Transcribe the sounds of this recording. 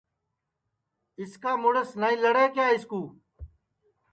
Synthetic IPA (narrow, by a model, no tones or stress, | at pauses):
ɪskaːmʊɽəsnaːĩːləɽeːkjaːɪskuː